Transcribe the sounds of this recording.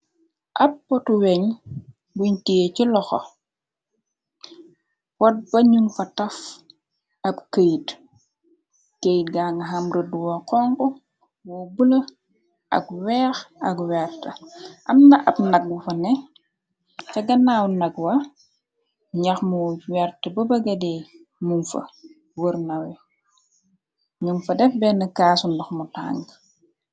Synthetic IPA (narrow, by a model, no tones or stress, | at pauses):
ʔɐpːɔtuwɛɲ | buɲtiecilɔxɔ̰ | wɔt̚bɐɲuŋfɐtɐf | ɐpkəjt | kejtɡaŋɡɐɦɐmɾəduwɔkɔŋkɔ | wɔbulɐ | ʔɐ̰kwɛːxɐkwɛrtəʔɐmnɐʔɐp̚nɐk̚bufɐnɛ | tɐɡɐnaːwnɐɡwɐ | ɲɐxmuwɛrtəbɐbɐɡɐdɛ | mumfɐ̰ | wərnɐwɛ | ɲumfɐdɛfbɛnɐkaːsundɔxmuta̰ːŋɡ